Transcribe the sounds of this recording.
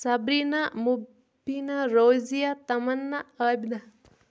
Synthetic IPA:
sɐbɾinamubʱ | inaɾoːzijat̪ɐmɐnːaəbd̪a

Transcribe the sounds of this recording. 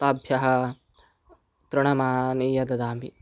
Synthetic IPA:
t̪aːbʱjɐɦɐ̆ | t̪ɾɐɽ̃ɐmaːnijɐd̪ɐd̪aːmi

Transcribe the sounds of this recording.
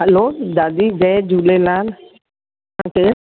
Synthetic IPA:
ɦɐloːd̪aːd̪id͡ʒɛd͡ʒʱuːleːlaːn | ãːkʰeː

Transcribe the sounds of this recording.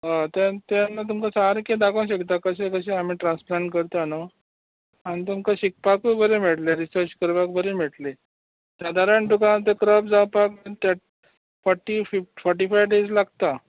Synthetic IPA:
ɦat̪at̪anːat̪̬umkasaaɾked̪akəw̃ɕəkt̪akəɕekəɕeam̤iʈɾãnsplãɳʈkəɾt̪ano | añit̪umkaɕik̚pakʋubʱəɾemɛɽleɾisəɾt͡ɕkəɾʋakbəɾemɛɽle | sad̪ʱaɾəɳʈukãt̪ekɾəpd͡zapakat̪ja | fɔɾʈififɔɾʈifajʋɖed͡zlaɡt̪a

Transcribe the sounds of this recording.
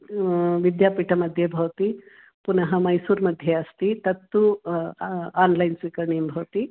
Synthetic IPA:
ʋid̪japiʈʰəməd̪ʱːjebʱɐwt̪i | punəɦəməjsuːɾməd̪ʱːjeəst̪it̪ɐt̪ːu | anlajnsʋikəɾɳimbʱɐwt̪i

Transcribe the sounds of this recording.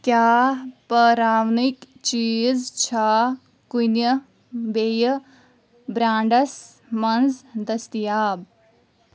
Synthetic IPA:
kjaːpɐɾaːwnik | t͡ʃiːzt͡ʃʰa | kunjə | beːjə | bɾãːɳɖɐs | mɐnzd̪ɐst̪ijaːb

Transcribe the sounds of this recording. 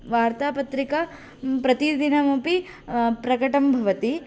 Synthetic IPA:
ʋaːɾt̪aːpɐt̪ɾikɐ | pɾɐt̪id̪inɐmupi | pɾɐkɐʈɐmbʱɐʋɐt̪i

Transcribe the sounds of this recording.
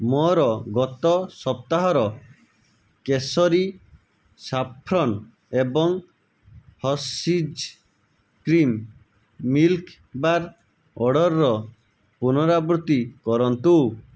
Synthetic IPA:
mɔɾɔɡɔt̪ɔsɔp̚t̪aɦɔɾɔ | kesɔɾi | sapʰɾɔn | ebɔŋ | hɔsid͡ʒ | kɾimː | ilk | baɾ | ɔɽɔɾːɔ | punɔɾabɾut̪ikɔɾɔnt̪u

